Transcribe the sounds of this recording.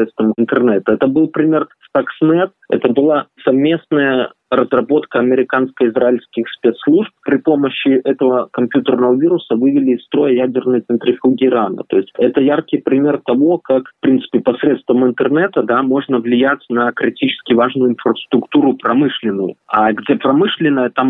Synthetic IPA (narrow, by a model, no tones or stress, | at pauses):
et̪st̪vəmɪnt̪ɨrnɛt̪əɛt̪əbɨlˠpɾʲɪmʲe̞rst̪aksnɛt̪ɛ̰t̪əbɨlˠasɐvmʲe̞snəjə | rəzrɐbo̞t̪kəɐmʲɪɾʲɪkanskəɪzɾaɪlʲskʲɪxspʲet̪slˠuʐp̚pɾʲɪpo̞məɕːɪʔɛt̪əvəkɐmpʲjut̪ərnəvəvʲiɾʊsəvɨvʲɪlʲɪːst̪ɾo̞jəjædʲɪrnɨjt̪ɨnt̪ɾʲɪfʲuɡʲɪːɾanə̰t̪o̞ɪsʲtʲɛt̪əjarkʲɪjpɾʲɪmʲe̞rt̪ɐvo̞kakfpɾʲint̪sɨ̥pʲɪpɐsɾʲet̪st̪vəmɨnt̪ɨrnɛt̪əd̪amo̞ʐnəvlʲɪjætʲnɐkɾʲɪtʲit͡ɕɪ̥skʲɪvaʐnʊjʊɪnfɾəst̪ɾʊkt̪uɾʊpɾɐmɨʂlʲɪnːʊjʊ̰aɡdʲe̞pɾɐmɨʂlʲɪnːəjət̪am